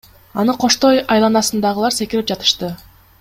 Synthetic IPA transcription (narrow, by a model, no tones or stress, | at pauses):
ɑnɯqʰo̞ʃt̪o̞jɑjlˠɑnɑsɯnd̪ɑʁɯlˠɑɾse̞kilip̚d͡ʒɑt̪ɯ̥ʃt̪ɯ